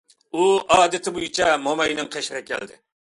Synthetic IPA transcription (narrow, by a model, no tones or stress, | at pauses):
uɑːd̪ɪt̪ʰɪbojit͡ʃʰɛmomɑjnɪŋqʰeʃɾɛkʲʰɛ̰ld̪ɪ